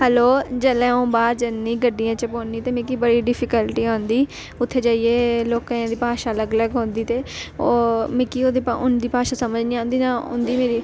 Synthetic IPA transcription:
ɦɛloːd͡ʒəlẽːõːbaːɾd͡ʒənːiːɡəɖːijãːt͡ʃəpoːniːt̪eːmɪ̃kiːbəɽiːɖɪpʰɪkəlʈiːɦõːnd̪iː | ʊt̪ʰːeːd͡ʒaːieːloːkãd̪iːpaːʃaːləɡləɡɦõːnd̪iːt̪eːomɪ̃kiːoːd̪iːʊnd̪iːpaːʃaːsəməd͡ʒnĩːãːnd̪iːnaːʊ̰nd̪iːmeːɾiː

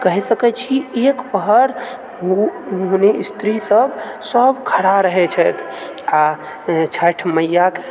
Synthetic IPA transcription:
kəɦisəkɛt͡ʃʰiekpəɦəɾ | ɦuneist̪ɾisəbsəbkʰəɽaɾəɦɛt͡ʃʰɛt̪ʰ | a | t͡ʃʰəʈʰməjːake

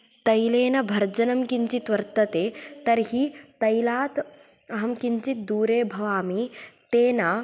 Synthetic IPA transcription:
t̪ɐjleːnɐbʱɐɾd͡ʒɐnɐmkiɲt͡ʃit̪ʋɐɾt̪ɐt̪eːt̪ɐɾɦit̪ɐjlaːt̪ | ɐɦɐmkiɲt͡ʃit̪̚d̪uːɾeːbʱɐʋaːmit̪eːnɐ

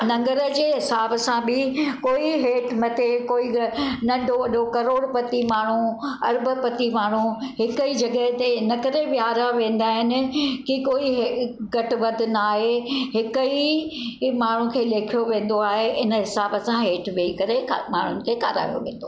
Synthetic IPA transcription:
nɐ̃ŋɡəɾə̆d͡ʑeːɦɪsaːbsãbɪkoːiɦeːʈmɐt̪ʰekoːinɐ̃ɳɖʱoɐɗokɐɾoːɽpɐt̪imaːɳ̤ũɐɾbə̆pɐt̪imaːɳ̤ũɦɪkəid͡ʑɐɡəɦt̪eɪnəkɐɾeʋjaːɾaʋẽːnd̪aːɦɪnɪ̆kikoːiɦɡɐʈ̆ʋɐd̪ʱɪ̆naaːɦeɦɪkəi | maːɳ̤ũkʰeːleːkʰijoʋẽːn̆d̪oaːɦeʔɪnəɦɪsaːbəsãɦeːʈʋeikɐɾema̰ːɳ̤ʊnɪ̆kʰeːka̰ːɾa̰ːjo̰ʋḛ̃ːnd̪o

